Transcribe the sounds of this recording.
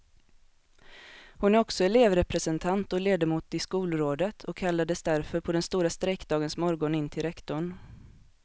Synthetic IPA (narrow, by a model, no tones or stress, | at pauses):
hʊnæɾɔksɔɛleːvɾɛpɾɛsɛnt̪ʰant̪ɔleːd̪amuːt̪ɪskuːlɾoːd̪ət̪ʰɔkʰːalːad̪əsd̪æɾfœɾpʰɔd̪ɛnst̪uːɾast̪ɾɛkd̪ɑːɡənsmɔɾɡɔnɪnt̪ʰɪlɾɛkt̪ɔɳ